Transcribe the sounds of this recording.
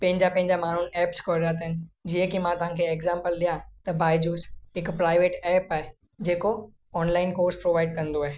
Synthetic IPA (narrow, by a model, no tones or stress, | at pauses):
pɐ̃ɦɪ̃ɲd͡ʑapɐ̃ɦɪ̃ɲd͡ʑamaːn̤ʊnɛːpskʰoɾat̪̬ɐɦɪnɪ̆d͡ʑiə̃kimãt̪ɐʋ̤ɦãkʰeeɡzãːmpəlɗijãt̪ɐbaːɪd͡ʑuːsɪkpɾaːɪʋeːʈɛːpaːɦe | d͡ʑeːko | ɔːnlaːɪnkoːɾspɾoːʋaːɪɖ̚kɐ̃nd̪oaːɦeː